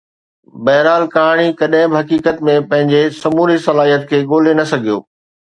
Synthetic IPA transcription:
bɐɦɾaːlkaːɽ̃ikɐɗɦɪ̃bɪɦɐkiːkət̪mẽpɐ̃ɦɪ̃ɲd͡ʑesɐmuːɾisɐlaːɦijət̪̚kʰeːɠoːlenɐsɐɡʱijo̰ː

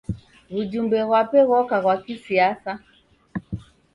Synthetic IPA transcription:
ɣud͡ʒumbɛɣwapɛɣɔkaɣwakisiasa

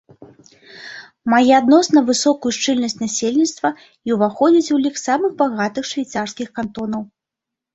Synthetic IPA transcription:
majɛad̪nɔsnɐvɨsɔkujuʂt͡ʂɨlʲnɐsʲt͡sʲnasʲelʲnʲit̪st̪vɐ | iuwvaxɔd͡zʲit͡sʲulʲixsamɨɣbaɣat̪ɨxʂvʲajt̪sarskʲixkant̪ɔnɐw

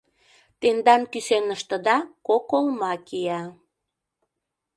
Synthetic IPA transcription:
t̪end̪ɑnkysenəʃt̪ə̆d̪ɑkokolmɑkijɑ

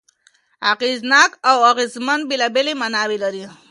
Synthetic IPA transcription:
aqiznɑːkawaɣizmanbilabelemanɑwelaɾi

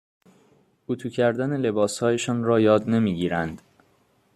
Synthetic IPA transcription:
ut̪ʰuːcʰæɾd̪æne̞le̞bɒːshɒːjeʃɒːnɾɒːjɒːd̪ne̞miːɟiːɾænd̪̥

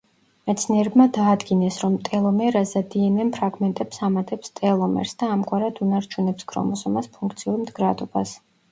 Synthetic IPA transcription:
mɛt̪sʰniɛɾɛbmad̪aːd̪ɡinɛsɾɔmt̪ʼɛlˠɔmɛɾazad̪iɛmɛmpʰɾaɡmɛnt̪ʼɛpsamat̪ʼɛpst̪ʼɛlˠɔmɛ̰ɾsd̪aːmɡʼwaɾad̪unaɾt͡ʃʰunɛpsɡʰɾɔ̰mɔsɔmaspʰuŋkʰt̪sʰiuɾimd̪ɡɾad̪ɔbas

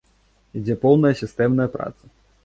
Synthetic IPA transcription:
id͡zʲɛpɔwnɐjɐsʲist̪ɛmnɐjɐpɾa̰t̪sɐ̥

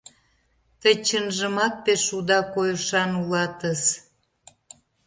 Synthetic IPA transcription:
t̪ət͡ɕənʒəmɑk̚peʃud̪ɑkojəʃɑnulɑt̪əs

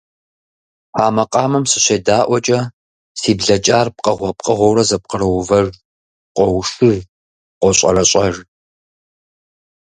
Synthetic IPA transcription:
ħaːmɐqʼɑːmɨmsɨɕeːdaːʔʷɔt͡ʃʼɐ | siːbɮɐt͡ʃʼaːrp̚qʼɐʁʷɔp̚qʼɐʁʷɔwɾɐzɐp̚qəɾɐwvɐr | qʷʼɔwʂɨv | qʷɔɕʼɐrɐɕʼɐʒ

